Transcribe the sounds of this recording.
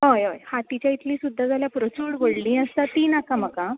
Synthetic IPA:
ɦojəjhãt̪it͡ɕait̪liːsud̪ʱːad͡zaljapuɾət͡ɕuɽʋəɽlĩːəsat̪iːnakaməka

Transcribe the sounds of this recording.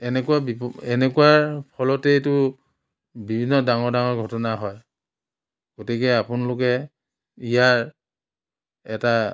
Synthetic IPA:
ɛnɛkuabipɔɛnɛkuwaɹpʰɔlɔtɛjtʊ | bibʱinːɔdaŋɔɹdaŋɔɹɡʱɔtɔnaɦɔj | ɡ̥otikɛapʊnalʊkɛ | ijaɹ | ɛta

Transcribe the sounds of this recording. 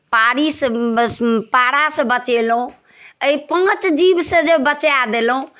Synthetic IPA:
paɽisə | paɽasə̃bət͡ʃelũ | əipə̃t͡ʃd͡ʒibsə̃d͡ʒəbət͡ʃjad̪elɦũ

